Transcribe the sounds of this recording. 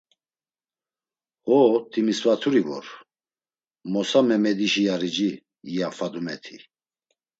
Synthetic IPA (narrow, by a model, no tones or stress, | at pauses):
hɔt̪ʰimisvat̪ʰuɾivɔ̰ɾ | mɔsamɛmɛd̪iʃijaɾid͡ʒiː | jafad̪umɛt̪ʰi